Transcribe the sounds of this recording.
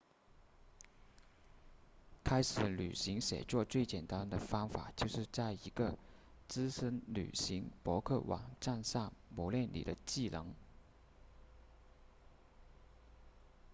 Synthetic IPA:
kʰa˥ɪʂɻ̩˧˩˥ly̰˨˩ɕi˧˥ŋɕjɛ̰˨˩t͡swɔ˥˧t͡swe˥˩ɪt͡ɕjɛ˨˩nt̪a˥nd̪ə˨fɑ˥ŋfa̰˨˩t͡ɕjo˥˧ʊʂɻ̩˥˧t͡sa˥˩ɪi˧˥ɡə˧ | t͡sɹ̩˥ʂə˥nly̰˨˩ɕi˧˥ŋpwɔ˧˥kʰɤ˥˩wʔɑ̰˨˩ŋʈ͡ʂa˥˧nsɑ˥˩ŋmɔ˧˥ljɛ˥˩nlḭ˨˩d̪ə˦t͡ɕi˥˩lɤ̰˧˥ŋ

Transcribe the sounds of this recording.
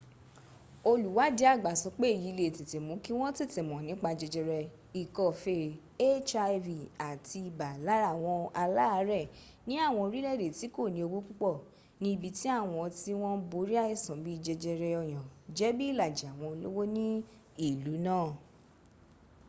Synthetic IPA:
o˧lu˨wa˨˦di˨˦a˦˨ɡ͡ba˨sɔ˧˦k͡pe˦˨ji˨˦˧le˨te˨te˨mũ˨˦ki˦w̃ɔ̃˦ti˦˨tɛ˨mɔ̃˨nĩ˨˦k͡pa˧d͡ʒɛ˧d͡ʒɛ˧ɾɛ˧ | i˨kɔ˨fe˧˨ | e˦t͡ʃa˧vi˨a˨ti˧i˨ba˨la˨˦ɾa˦˨w̃ɔ̃˧a˧la˦˧˦ɾɛ˦˨ | nĩ˨˦a˦˨w̃ɔ̃˧ɾi˦lɛ˦˨ɾe˨ti˨˦ko˦˨nĩ˧˦o˧ɡ͡bo˦k͡pu˦k͡pɔ˦˨ | nĩ˦i˧bi˧ti˦a˦˨w̃ɔ̃˧ti˦w̃ɔ̃˦bo˧˦ɾi˦a˦ɛ˦˨sã˨bi˦˧d͡ʒɛ˧d͡ʒɛ˧ɾɛ˧ɔ˧j̃ã˨d͡ʒɛ˨˦bi˦i˦˨la˨d͡ʒi˨a˨w̃ɔ̃˧lo̰˦wo˦nĩ˦ | i˦˨lu˨˦nãː˦˨

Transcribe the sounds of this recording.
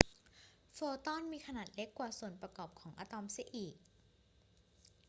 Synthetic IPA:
fɤː˧t̪ɔ˥˩nmiː˧kʰa˧naː˨˩t̪̚le˦˥kːwaː˨˩su˨˩ənpɾa˧kɔː˨˩p̚kʰɔː˩˦ŋʔaː˧t̪ɔ˧msi˧˦ʔiː˨˩k̚

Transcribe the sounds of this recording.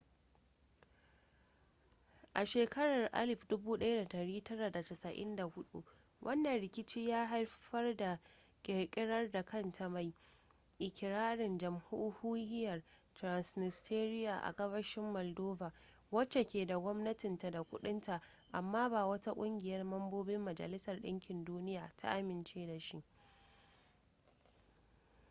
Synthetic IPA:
ʔa˨ʃeː˨kɐ˦ɽɐ˨rʔa̰˦lɪ˨ɸdʊ˦buː˦ɗɐ˦ja˦da˨dɐ˨ɾiː˦tɐ˦ɾa˨da˨tɐ˨sɐ˨ʔɪ̰˦nda˨hʊ˦ɗṵ˦ | wʔɐ˦nːɐ˨nɽɪ˨kʲɪ˦t͡ʃiː˦jaː˦ɦa˦rɸɐ˦rda˨ | kʲʼɪ˨ɽkʲʼɪ˦ɽɐ˦rda˨kʰɐ˦ntʰa˨ma˨j | ʔɪ˨kʲʰɪ˨ɾaː˦ɽɪ˨nd͡ʒɐ˨mhu˦huː˦ɾɪ˦jɐ˨r | tɾa˨nsnɪ˨stʰeː˦ɾɪ˦jaː˨ʔa̰˨ɡɐ˦βɐ˦ʃɪ˦mːɔ˨ldoː˦baː˨ | wɐ˦t͡ʃːe˨kʲeː˨da˨ɡʷɔ˦mnɐ˦tɪ˨nta˨da˨kʷʊ˦ɗɪ˦nta˨ʔ | ʔa˨mːaː˦baː˨wɐ˦ta˦kʷʼʊ˦ŋɡʲɪ˨jɐ˦rmɐ˦mboː˦bɪ˦mːɐ˨d͡ʒɐ̰˨lɪ˦sɐ˨rɗɪ̰˦ŋkʲɪ˨nduː˦nɪ˦jaː˨tʰa̰˦ʔa˦mɪ˨nt͡ʃeː˦da˨ʃi˦ʔ

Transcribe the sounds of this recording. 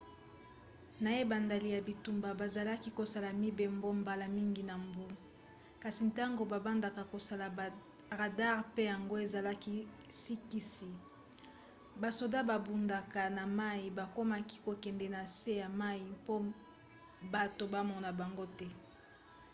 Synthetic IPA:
na˨je˦ba˨nda˨li˨ja˨bi˨tu˨mba˨ba˨za˨la˦ki˦ko˨sa˨la˨mi˦be˨mbo˦mba˨la˨mi˦ŋɡi˨na˨mbu˦ | ka˨si˨nta˦ŋɡo˨ba˨ba˦nda˨ka˨ko˨sa˨la˨ | ʁa˨da˦ʁpe˦ja˨ŋɡo˦e˨za˨la˦ki˦ | si˦ki˦si˨ | ba˨so˨da˦ba˨bu˨nda˨ka˨na˨ma˦i˨ba˨ko˦ma˦ki̥˦ko˨kɛ˨ndɛ˨na˨se˦ja˨ma˦ji˨po˦ | ba˨to˨ba˦mɔ˨na˨ba˨ŋɡo˦tɛ˦

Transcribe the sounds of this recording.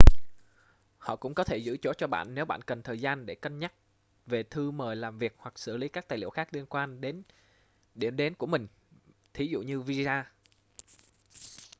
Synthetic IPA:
hɔ̰˧˨kʊ̰˧˥ŋ͡mkɔ˨˦t̪ʰe˧˩zɨ̰˧˥t͡ɕo̰˧˥t͡ɕɔ˧ɓa̰ː˧˨nːe˨˦wɓa̰ː˧˨nkə˨˩nt̪ʰəː˨˩jzaː˧nɗe˧˩kə˧nɲa˦˥k̚ | ve˨˩t̪ʰɨ˧məː˨˩jlaː˨˩mvi˨˩ək̚hwa˨˩k̚sɨ˧˩li˨˦kaː˦˥k̚t̪aː˨˩jlḭ˧˨əxaː˦˥k̚li˧ənkwaː˧nɗe˨˦n | ɗi˧˩əmɗe˨˦nku˧˩əmï˨˩ŋ̟ | t̪ʰi˨˦zṵ˧˨ɲɨ˧vi˧zaː˧

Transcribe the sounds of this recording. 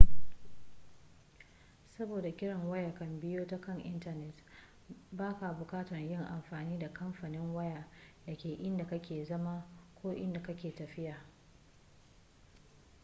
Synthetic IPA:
sɐ˦boː˨da˨kʲɪ˦ɽɐ˨ŋwɐ˦ja˨kɐ˨mbɪ˦joː˦ta˦kɐ˦˨ŋʔɪ˦ntɐ˦˨nɛ˨t | baː˦ka˨bʊ˨kaː˦tɐ˨ɲjɪ˦ŋʔa˨mɸaː˨niː˦da˨kɐ˦mɸaː˨nɪ˦ŋwɐ˦jaː˨dɐ˨kʲeː˨ʔɪ˦nda˨kɐ˦kʲeː˨zɐ˦maː˦kʷoː˦ʔɪ̰˦nda˨kɐ˦kʲeː˨tɐ˨ɸɪ˦jaː˨

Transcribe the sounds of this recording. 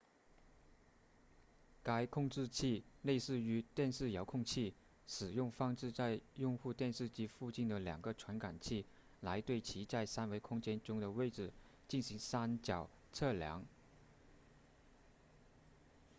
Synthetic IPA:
ka˧˥ɪkʰʊ˥˧ŋʈ͡ʂɻ̩˥˧t͡ɕʰi˥˩le˥˧ɪsɹ̩˥˩y˧˥t̪jɛ˥˧nʂɻ̩˥˩jɑ˧˥ʊkʰʊ˥˧ŋt͡ɕʰi˥˩ | ʂɻ̩˨˩jʊ˥˩˧ŋfɑ˥ŋʈ͡ʂɻ̩˥˧t͡sa˥˧ɪjʊ˥˧ŋxu˥˧t̪jɛ˥˧nʂɻ̩˥˧t͡ɕi˥fu˥˧t͡ɕi˥˩nd̪ə˩ljɑ̰˨˩ŋɡə˧˦ʈ͡ʂʰwa˧˥nka˨˩nt͡ɕʰi˥˩ | la˧˥ɪt̪we˥˩ɪt͡ɕʰi˧˥t͡sa˥˩ɪsa˥nwe˧˥ɪkʰʊ˥ŋt͡ɕjɛ˥nʈ͡ʂʊ˥ŋd̪ə˨we˥˩ɪʈ͡ʂɻ̩˨˩ | t͡ɕi˥˩nɕi˧˥ŋsa˥nt͡ɕjɑ˨˩ʊ | t͡sʰɤ˥˩ljɑ̰˧˥ŋ

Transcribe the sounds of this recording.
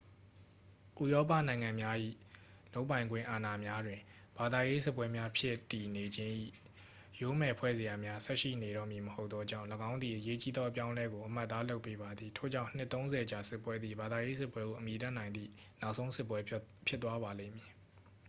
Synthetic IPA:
ʔu˨jɔ˦p̬ä̰˦˨nã˨ɪ̃ŋã˨mja˦ʔḭ˦˨ | lo˦ʊpːã˨ɪ̃ŋɡwɪ̃˦˨ʔa˨na˨mja˦dwɪ̃˨ | b̥a˨d̪a˨je˦sɪ˦pwɛ˦mja˦pʰjɪ˦tːi˨ne˨d͡ʑɪ̃˦ʔḭ˦˨ | jo˨˦mɛ˨pʰwɛ̰˦˨ze˨ja˨mja˦sɛ˦ʔʃḭ˦˨ne˨ɾɔ̰˦˨mji˨məho˦ʊt̪t̪ːɔ˦d͡ʑã̰˦˨ləɡã˦ʊ̃nd̪ði˨ʔəje˦t͡ɕi˦d̪ɔ˦ʔə˦p̬jã˦ʊ̃lɛ˦ɡo˨ʔəm̥a˦ʔt̪ːa˦lo˦ʊpːe˦ba˨d̪ði˨tʰo̰˦˨d͡ʑã˦˨n̥ɪ˦ʔt̪ːõ˦ʊ̃nzɛ˨ət͡ɕa˨sɪ˦pːwɛ˦d̪ðḭ˦˨ba˨d̪a˨je˦s̬ɪ˦pwɛ˦ɣo˨ʔəmi˨tã˦˨nã˨ɪ̃nd̪ðḭ˦˨ | na˦ʊʔsʰõ˦ʊ̃sɪ˦ʔp̬ːwɛ˦pʰjɪ˦t̪ːwa˦βa˨lḛ̃˦˨mji˨

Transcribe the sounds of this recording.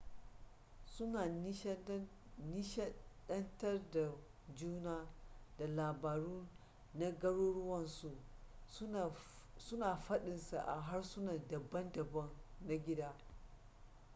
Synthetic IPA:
sʊ˦naː˨˦nɪ˦ʃɛ˦ɗɐ˦ntɐ˦rda˨ | d͡ʒuː˦naː˦d̥a˨laː˨baː˨ɽuː˦ | na˦ɡɐ˦ɽoː˦ɽʊ˦wɐ˨nsu˨˦˨ | sʊ˦naː˨ɸɐ˦ɗɪ˨nsa˨ʔa̰˨ɦa˦rsʊ˦naː˨dɐ˨bːɐ˦ndɐ˨bɐ˦nːa˦ɡʲɪ˦daː˦

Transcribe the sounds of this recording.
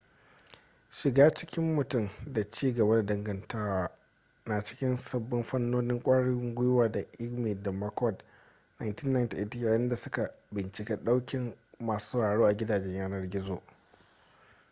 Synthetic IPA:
ʃɪ˨ɡaː˦t͡ʃɪ˦kʲɪ˦mːʊ˨tʊ˦mda˨t͡ʃiː˦ɡɐ˨ba˦da˨dɐ˨ŋɡɐ˨ntʰaː˦waː˦ | na˨t͡ʃɪ̥˦kʲɪ˦nsɐ˦bːʊ˦mɸɐ˦nːoː˦nɪ˦ŋkʷʼaː˦ɽɪ˦ŋɡʷʊ˦jʊ˦waː˨da˨ʔɪ˦ɡmiː˨da˨mɐ˦kɔ˦˨d | na˨jntɪ˦nːa˨nta˨ʔɪ˦ta˦jaː˨jɪ˦nda˨sʊ˦ka˨bɪ˨nt͡ʃɪ˨kʲɛ˦ɗa˦wkʲɪ˨mːaː˨su̥˦sa˨ɽaː˨ɽoː˦ʔa˨ɡʲɪ˦daː˨d͡ʒɛ˦ɲjaː˦nɐ˦rɡʲɪ˦zoː˨ʔ

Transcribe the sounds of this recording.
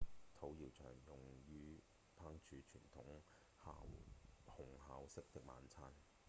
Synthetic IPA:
t̪ʰo˨˥wjiː˨˩wt͡ʃʰœ̰ː˨˩ŋjʊ˨˩ŋjyː˧˥ | pʰaː˥ŋt͡ʃʰyː˨˥t͡ʃʰyː˨˩nt̪ʰʊ˨˥ŋ | ha̰ː˧whʊ˨˩ŋɦaː˨˧wsɪ˥k̚t̪ɪ˨k̚ma̰ː˨˧nt͡sʰaː˧˥n

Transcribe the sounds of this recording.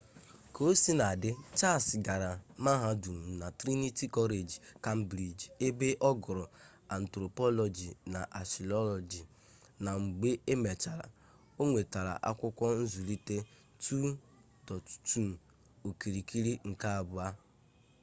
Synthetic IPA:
kʰo˨˦si˦na˨dɪ˦t͡ʃa˦˨sɡa˨ɾa˨ma˦ɦa˦du˨m˨na˨tɾi˦ni˦ti˦kɔ˦ɾe˨d͡ʒka˦m̩˦bɾi˨d͡ʒi˨e˦be˦ʔɔ˦ɡʊ˨ɾʊ˨ | a˨n̩˨tɾo˨pɔ˦lɔ˨d͡ʒi˨na˨ʔa˨si˨lɔ˦lɔ˨d͡ʒi˨ | na˨ŋ͡m̩˨ɡ͡be˦ʔe˦me˨t͡ʃa˨ɾa̰˨ | o˦ŋʷe˨ta˨ɾa̰˨ʔa̰˦kʷʊ˦kʷɔ˦n̩˦zu˨ɾi˦te˦ | tu˦ | dɔ˨tu̥˨tu˦n̩˨ | o˨ki˨ɾi˨ki˦ɾi˦ŋ̩˨ka˦a˨bʊ˦a˦

